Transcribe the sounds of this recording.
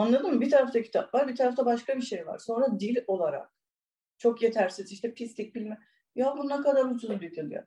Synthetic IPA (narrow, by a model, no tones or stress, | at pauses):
anlˠad̪ɯmːbit̪ʰaɾaft̪ʰacʰi̥t̪ʰapvaɾbit̪ʰaɾaft̪ʰabaʃkabiʃe̞jva̰ɾso̞nɾad̪ilʲo̞lˠaɾa̰k̚ | t͡ʃʰo̞kje̞t̪ʰæɾsiziʃt̪ʰɛpʰistlʲic̚bilʲmɛ | jabunːakad̪aɾut͡ʃʰuzud̪et̪ʰelˠija̰